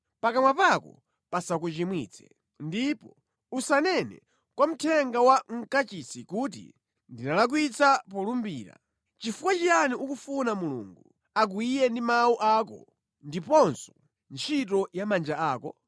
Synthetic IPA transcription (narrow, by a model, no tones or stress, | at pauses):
pakamwapakɔ̰ | pasakut͡ʃimwiːt͡sʰɛ̰ | ndipɔ | usanɛnɛ̰ | kwam̩tʰɛŋɡawaŋ̩kat͡ʃisikut̬ḭ | ndinalak̬wit͡sapɔlumbiːɾa̰ | t͡ʃifukwat͡ʃianiʔukufunamulṵːŋɡu | ak̬uijɛndimawuʔaːkɔ̰ | ndipɔnsɔ | nt͡ʃʰit̬ɔjamand͡ʒaaːkɔ